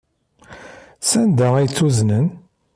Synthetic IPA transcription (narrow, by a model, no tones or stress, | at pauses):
sænd̪ææjt͡sːuznən